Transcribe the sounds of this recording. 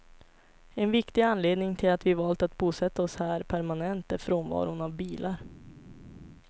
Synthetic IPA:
ɛnvɪkt̪ɪanleːd̪nɪŋt̪ʰɪlat̪vɪvɑːlt̪at̪buːsɛt̪ːaɔshæːɾpʰæɾmanɛnt̪əfɾoːnvɑ̰ːɾʊnavbiːlʔaɾ

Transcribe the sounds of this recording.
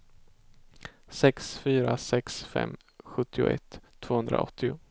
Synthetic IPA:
sɛksfyːɾasɛksfɛ̰mː | ɧɵt̪ʰːɪʊ̰ʔɛt̪ʰː | v̥oːhɵnd̪ɾa̰ɔt̪ʰːɪʊ

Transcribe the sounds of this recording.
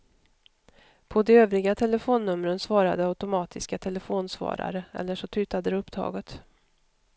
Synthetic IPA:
pʰɔd̪ɛøːvɾɪɡat̪ʰɛlːəfoːnːɵmɾənsvɑːɾa̰d̪əaʉt̪ʊmɑːt̪ʰɪskat̪ʰɛləfoːnsvɑ̰ːɾa̰ɾəɛ̰lːəʂɔt̪ʰyːt̪ad̪əɾɛɵpːd̪ʰɾɑ̰ːɡət̪

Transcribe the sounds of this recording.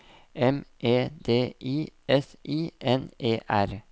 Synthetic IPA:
ɛmʔeːd̪eːʔiːʔɛsʔiːʔɛneːʔæɾ

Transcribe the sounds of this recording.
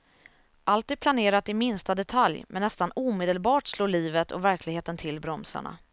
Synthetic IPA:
ʔalt̪iːd̪̚pʰlaneːɾat̪ɪmɪnst̪ad̪ɛt̪ʰaljmɛ̰nːɛst̪anuːmeːd̪əlbɑːʈsloːliːvət̪ʰɔ̰væɾklɪɡheːt̪ənt̪ʰɪlːbɾɔmsa̰ɳa̰

